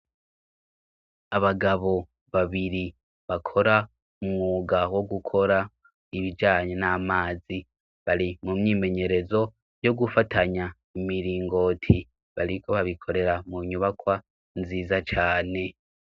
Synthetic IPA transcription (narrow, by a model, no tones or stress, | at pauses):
aβaɡaβo̞ | βaβiɾi | βakʰo̞ɾa | umŋuːɡawo̞ɡukʰo̞ɾa | iβid͡ʒaːɲenaːmaːzi | βaɾimumɲiːme̞ɲe̞ɾe̞zo̞ | jo̞ɡufatʰaɲa | imiɾiːŋɡo̞tʰi | βaɾikʰo̞βaβikʰo̞ɾe̞ɾamuɲuβakwa | nziːzat͡ʃaːne̞